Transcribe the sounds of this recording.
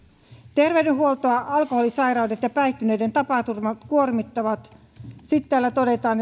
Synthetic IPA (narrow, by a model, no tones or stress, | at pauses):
t̪erʋeydenɦuolt̪oɑʔɑlkoholisɑirɑudet̪jɑpæit̪ːyneident̪ɑpɑt̪urmɑt̪kuormit̪ːɑʋɑt̪ | sit̪t̪ːæːlːæt̪odet̪ɑːn